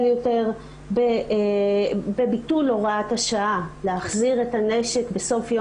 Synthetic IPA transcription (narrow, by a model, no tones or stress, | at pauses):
ljote̞ʁ | be | bebitulo̞ʁathaʃaaleaχziʁetane̞ʃe̞kbeso̞fjo